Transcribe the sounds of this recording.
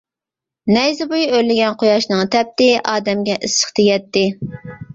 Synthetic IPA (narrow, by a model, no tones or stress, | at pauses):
nɛjzɪbujølːɪɡʲɛnqʰojɑʃnɨŋt̪ʰɛp̚t̪ɪʔɑːd̪ɛmɡʲɛʔɨsə̥χt̪ʰeɡʲɛt̪ːɪ